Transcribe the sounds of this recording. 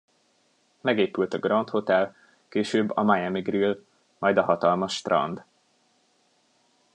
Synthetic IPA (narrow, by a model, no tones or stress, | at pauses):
mɛɡeːpylt̪ɒɡrɒnt̪ho̞t̪ɛl | keːʃøːbːɒ̰majɛmiɡril | mɒjd̪ɒɦɒt̪ɒlmɒʃt̪rɒ̰nd̪